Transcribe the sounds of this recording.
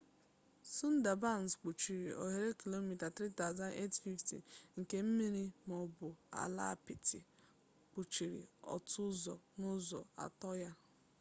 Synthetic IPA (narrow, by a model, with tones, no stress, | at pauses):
su˦n̩˦da˨ba˦˨n̩˨sk͡pu˨t͡ʃi˨ɾi˨ʔo̰˨ɦe˨ɾe˦ki˨lo˦mi˨ta˨tɾi˦ta˦ʊ˨za˦ne˦tfi˦ftḭ˨ŋ̩˨ke˨˦m̩˦mi˦ɾi˦mɔ˨bʊ˨a̰˨la̰˦˨pi˨tʰi˨ | k͡pu˨t͡ʃi˨ɾḭ˨ɔ̰˨tʰʊ˦zɔ̰˨nʊ˦zɔ̰˨a̰˨tɔ˦ja˦